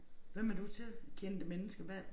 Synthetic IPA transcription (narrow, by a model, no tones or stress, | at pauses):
ʋemæɐd̥ut͡sʰe̝lkʰend̥əmenəsɡ̥əʋæ